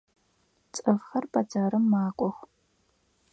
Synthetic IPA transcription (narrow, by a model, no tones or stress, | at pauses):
t͡sʼɨʁχɐrbɐd͡zaːɾɨmːaːkʷʼɔχʷ